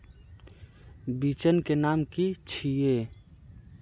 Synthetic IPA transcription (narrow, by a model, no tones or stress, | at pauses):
bit͡ʃənkenaːmkit͡ʃʰie